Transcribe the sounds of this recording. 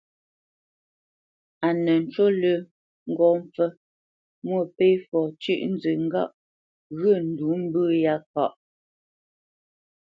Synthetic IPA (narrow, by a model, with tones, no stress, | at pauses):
a˨nə˨n̩˨t͡ʃo˦lə˦ | ŋ̩˦˨ɡɔ˨mp͡fə˦ | mwə˦˨pe˦fɔ˨t͡ʃʉ̰˦ʔn̩˦zə˨ŋ̩˦ɡa̰˦˨ʔ | ɣə˦˨n̩˨du˨˦m̩˦bə˦ja˦kɔ˦ʔ